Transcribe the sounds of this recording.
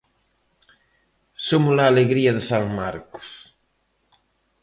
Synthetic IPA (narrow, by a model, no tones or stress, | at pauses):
somʊzlaːleɣɾiɐðesaŋmaɾko̥s